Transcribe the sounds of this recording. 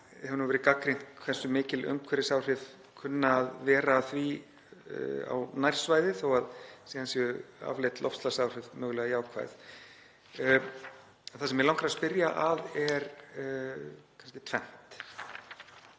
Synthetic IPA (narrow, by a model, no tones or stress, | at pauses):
hɛvnuvɛɾɪkakɾin̥t̪kʰvɛ̥sʏmɪːcɪlʔœ̰mkʰvɛɾɪsawr̥ɪv | kʰʏnːaːðvɛːɾaːθvi | a̰wnajr̥svaːjðɪθowaðsihansjʏa̰vlejt̪lɔ̰fst̪lasawr̥ɪðmœːɣʏlɛːɣajaːwkʰva̰jθ | θasɛmjɛɾlawŋkɾaspɪɾjaʔaðɛɾ | kʰast̪ɪ̥t̪ʰvɛn̥t̪